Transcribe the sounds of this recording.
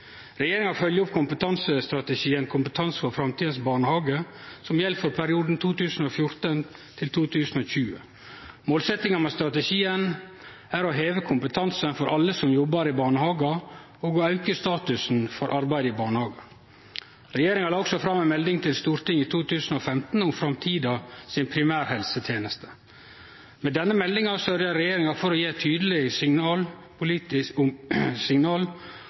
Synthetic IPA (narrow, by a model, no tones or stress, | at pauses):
ɾɛjeːɾɪŋɑfœljəʊp̚kʰʊmpət̪ʰɑnsəst̪ɾɑt̪əʃiːənkʰʊmpət̪ʰɑnsfɔɾfɾɑmt̪ʰiːd̪n̩sbɑːɳəhɑːɡəsɔmjɛlfɔɾpʰæɾɪuːd̪n̩t̪ʰuːt̪ʉːsn̩oːfjʊɾt̪ən | t̪ʰɪlt̪ʰuːt̪ʰʉːsn̩oːçʉːə | moːlsɛt̪ɪŋɑmɛːst̪ɾɑt̪əʃiːən | æɾoɦeːʋəkʰʊmpət̪ʰɑnsənfɔɾʔɑlːəsɔmjɔbːəɾɪbɑːɳəhɑːɡɑ | oːɡɔɑʉkəst̪ɑːt̪ʉsn̩fɔɾʔɑɾbæɪd̪əɪbɑːɳəhɑːɡə | ɾɛjeːɾɪŋɑɾɑɔksɔfɾɑmːænmɛld̪ɪŋt̪ʰɪlst̪uːɾt̪ɪŋiːt̪ʰuːt̪ʰʉːsən̩oːfɛmt̪n̩ʊmfɾɑmt̪ʰiːd̪ɑsɪnpʰɾɪmæːɾhɛlsət̪ʰjeːnəst̪ʰə̥ | meːd̪ɛnːəmɛlːɪŋɑsœɾjɑɾɛjeːɾɪŋɑfɔɾɔjeːt̪ʰyːd̪əlɪsɪɑːl | pʊliːt̪ɪ | sɪŋnɑːl